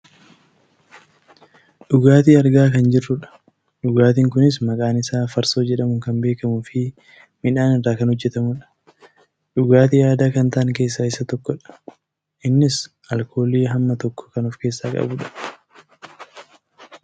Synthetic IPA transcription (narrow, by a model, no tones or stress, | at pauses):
ɗʊɡaːt̪̬iːɐɾɡaːkɐnd͡ʒɪrːʊᶑɐ̥ | ᶑʊɡaːt̪iŋkʊnɪsmɐkʼaːnɪsaːfɐɾso̞ːd͡ʒɛᶑɐmʊŋkɐmbe̞ːkɐmuːfɪ | mɪᶑaːnɪrːaːkɐnhɔd͡ʒːɛt̪ɐmʊᶑɐ̥ | ᶑʊɡaːt̪iːjaːd̪aːkɐnt̪aʔɐŋke̞ːs̬ːaːɪsːɐt̪ɔkːɔᶑɐ̥ | ʔɪnːɪs | ɐlkʰo̞ːliːɦɐmːɐt̪ɔkːɔ̥kɐnʊfke̞ːsːaːkʼɐ̰bʊᶑɐ̥